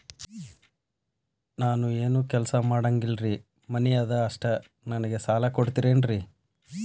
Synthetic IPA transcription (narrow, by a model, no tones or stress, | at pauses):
naːnueːnuːkɛlɐsɐmaːɽɐŋɡilɾi | mɐnɛjad̪ɐːʂʈɐ | nɐnɐɡe̞saːlɐkoɽt̪iɾe̞ːnɾi